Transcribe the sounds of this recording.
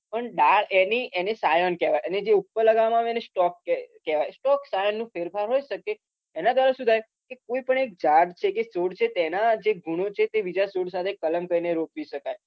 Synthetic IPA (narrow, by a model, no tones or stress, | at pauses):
pəɳɖaɾeniʔenesajɔnkɛʋajəned͡ʒeupːələɡamãʋɛnesʈɔkːekɛʋajsʈɔksajɔnːũfeɾfaɾɦoiʃəkeː | nad̪ʋaɾəfsud̪ʱaj | kekoipəɳek̚d͡ʒaɖt͡ʃʰekesoɽt͡ʃʰet̪enad͡ʒeɡʱuɽ̃ot͡ʃʰet̪eʋid͡ʒasoɽsat̪ʰekələmkəɾineɾokʋiʃəkaj